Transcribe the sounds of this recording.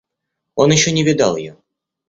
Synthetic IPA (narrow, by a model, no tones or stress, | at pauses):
onjɪɕːɔnʲɪvʲɪd̪ɑ̰lˠjjɔ